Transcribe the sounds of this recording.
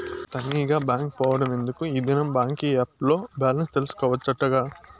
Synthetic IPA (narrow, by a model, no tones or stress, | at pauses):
t̪ɐnːiːɡaːbaːŋk̚pɔːʋɐɽɐme̞nd̪ukuid̪inɐmbaːŋkiap̚lo̞ːbaːlɐnst̪elusu̥kɔːʋɐt͡ʃːɐʈːɐɡaː